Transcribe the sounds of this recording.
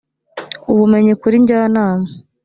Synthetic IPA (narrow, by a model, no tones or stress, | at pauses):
uβume̞ɲikuɾiɲɟanaːme